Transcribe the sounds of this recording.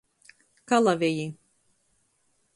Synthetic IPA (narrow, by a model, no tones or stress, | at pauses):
kalˠavʲɛji